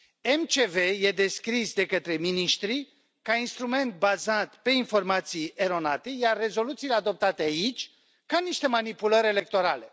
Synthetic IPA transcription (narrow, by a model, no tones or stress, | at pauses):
emt͡ʃe̞ve̞je̞d̪eskɾisd̪e̞kət̪ɾe̞miniʃt̪ɾi | kainst̪ɾume̞nt̪̚bazat̪pe̞info̞rmat̪sijeɾo̞nat̪e̞jarːe̞zo̞lut̪siːlead̪o̞p̚t̪at̪eait͡ʃʲ | kaniʃt̪e̞manipuləɾʲe̞le̞k̚t̪o̞ɾale̞